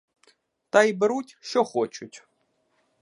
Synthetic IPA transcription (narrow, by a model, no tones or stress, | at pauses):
t̪ɐibeɾutʲʃt͡ʃɔxɔt͡ʃʊtʲ